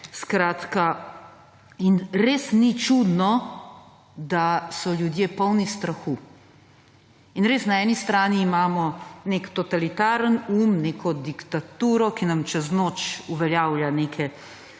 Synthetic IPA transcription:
skɾaːt̪ka | inɾeːsnit͡ʃud̪nɔ | d̪asɔlʲjud̪jeːpɔwnist̪ɾaxu | inɾeːsnaɛːnist̪ɾaːniːmaːmɔneːkt̪ɔt̪alit̪aːɾənuːmneːkʰɔd̪ikt̪at̪uːɾɔkinamt͡ʃɛznoːt͡ʃuʋɛljawljaneːkʰɛ

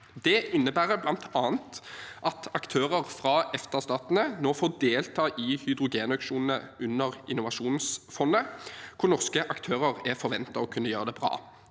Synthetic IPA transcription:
d̪ɛɪnːəbæːʁəblɑnt̪ʰɑːnt̪ʔɑt̪ɑkt̪ʰøːʁəʁfʁɑɛft̪əst̪ɑːt̪nənoːfoːd̪eːlt̪ʰɑːʔɪhʏd̪ʁʊɡeːnɑkʃuːnənəʉnːəʁɪnʊʋɑʂuːnsfɔnːəkʰʊʁnɔʁskəʔɑkt̪ʰøːʁəʁɛfɔʁʋɛnt̪ɑɔkʰʉnːəjøːʁəd̪ɛbʁɑ̰ː

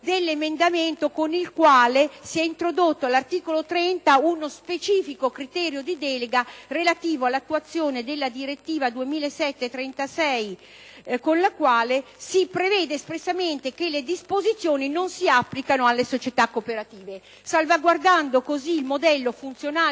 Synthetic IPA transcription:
d̪elːemend̪ament̪okonilkwaːlesiɛint̪ɾod̪ot̪ːoalart̪iːkolot̪ɾɛnt̪aunospet͡ʃiːfikokɾit̪ɛːɾjod̪id̪ɛleɡarelat̪iːvoalːat̪ːuat̪sːjoːned̪elːad̪iɾet̪ːiːvad̪uemiːlasɛt̪ːet̪ɾɛnt̪asɛj | konlakwaːlesipɾevɛːd̪eːspɾesːament̪ekelːed̪ispozit̪sːjoːninonsiapːlikanoalːesot͡ʃet̪akːopeɾat̪iːve | salvaɡward̪and̪okoziːlmod̪ɛlːofunt̪sjonaː

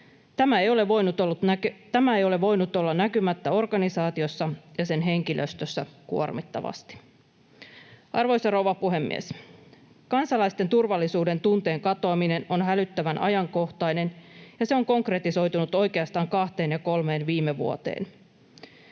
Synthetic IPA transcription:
t̪æmæejo̞leʋojnut̪oːt̪t̪æmæejo̞leʋo̞jnut̪o̞lːɑnækymæt̪ːæo̞rɡɑnisɑːt̪io̞sːɑjɑse̞nɦe̞ŋkilʔøst̪øsːækṵo̰rmit̪ːɑ̰ʋɑ̰st̪i̥ | ɑrʋo̞jsɑrowʋɑpuɦe̞mːḭḛs | kɑnsɑlɑjst̪e̞nt̪urʋɑlːisuːde̞nt̪unt̪e̞ːŋkɑt̪oɑmine̞no̞nɦælyt̪ːæʋænʔɑ̰jɑŋko̞ht̪ɑjne̞njɑseo̞ŋko̞ŋkre̞t̪iso̞jt̪unut̪o̞jkeɑst̪ɑːŋkɑht̪e̞ːnjɑko̞lme̞ːnʋiːmːeʋṵot̪e̞̰ːn

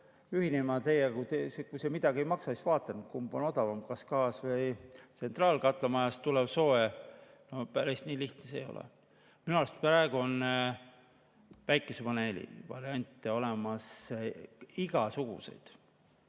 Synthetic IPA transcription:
yhinemɑt̪e̞jekujt̪esekujsemid̪̥ɑɡiejmɑksɑisvɑːt̪ːˑɑnut̪kumbono̞d̪̥ɑvɑmkɑskɑːsvɤjt̪se̞nt̪rɑːlkɑt̪ˑlɑmɑjɑst̪ulebso̞ːe | nopæɾist̪niːliht̪nesḛjo̞̰lḛ | minuɑːst̪pɾɑeɡ̥uonː | væjkːˑesepɑne̞lḭvɑ̰ɾiɑnʲt̪ːˑeo̞lemɑs | iɡ̥ɑsuɡ̥ṵse̞̰jd̪̥

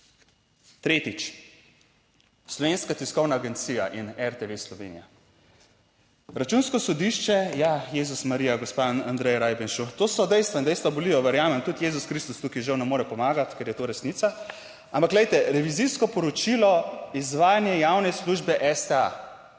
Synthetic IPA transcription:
t̪ɾeːt̪it͡ʃ | slɔʋeːnskat̪iskɔwnaːɡɛnt̪siːja̰ʔinɛɾt̪eʋeslɔʋḛːnḭja̰ | ɾat͡ʃuːnskɔsɔd̪iʃt͡ʃɛjajeːzusmaɾijaɡospaand̪ɾɛjɾaːjbɛnʃut̪oːsɔd̪ɛjst̪ʋɔnd̪ɛjst̪ʋabɔliːjɔʋɛɾjaːmɛmt̪ut̪jezuskɾist̪ust̪ukiʒawnɛmoːɾɛpɔmaːɡat̪kɛɾjɛt̪oɾɛsnit̪sa | ampakɡlɛjt̪ɛɾɛʋiziskɔpɔɾɔt͡ʃilɔizʋaːjanjɛjawnɛsluʒbɛʔɛst̪ɛa̰

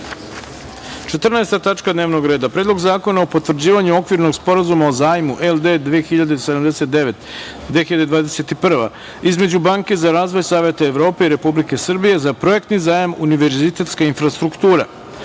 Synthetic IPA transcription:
t͡ʂet̪rnaest̪at̪at͡ʂkad̪neːʋno̞ɡɾe̞ːd̪apɾeːd̪lˠo̞ɡzaːko̞naopo̞t̪ʋr̩d͡ʑiːʋaɲuo̞kʋiɾno̞ɡspo̞ɾazumaozaːjmuʔeld̪e̞d̪ʋiexiʎad̪esed̪amd̪ese̞t̪̚d̪eʋe̞t̪ | d̪ʋexiʎad̪ed̪ʋaːd̪ese̞t̪ipr̩ʋa | izme̞d͡ʑubaːŋke̞zaɾaːzʋo̞jsaːʋjet̪aeʋɾo̞ːpe̞iɾe̞publike̞sr̩bije̞zapɾo̞jek̚t̪nizaːjamuniʋe̞ɾzit̪e̞t̪skainfɾast̪ɾukt̪uːɾa̰

